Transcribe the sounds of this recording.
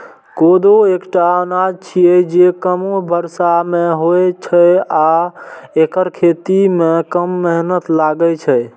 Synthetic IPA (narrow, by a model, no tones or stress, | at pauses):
kod̪oekʈaənad͡ʒt͡ʃʰijɛd͡ʒekəmobʱəɾsamẽɦojet͡ʃʰəa | ekəɾkʰet̪imẽkəmːɛɦnət̪laɡət͡ʃʰə